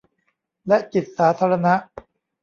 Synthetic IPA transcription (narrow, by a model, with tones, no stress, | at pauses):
lɛ˦˥t͡ɕi˨˩t̪̚saː˩˦t̪ʰaː˧ɾa˧na˦˥ʔ